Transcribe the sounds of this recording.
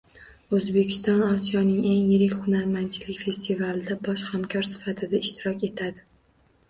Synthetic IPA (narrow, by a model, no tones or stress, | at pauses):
ɵzbe̞kʲʰɪ̥st̪ɒnɒsijɒnɪŋe̞ŋjɪɾɪkʲχʊnaɾmant͡ʃʰɪlɪkʲfe̞st̪ʰivalɪd̪abɒʃhamkʰʲɒɾsɪ̥fat̪ʰɪd̪aɪʃt̪ʰɪɾɒkʲe̞t̪ʰad̪ɪ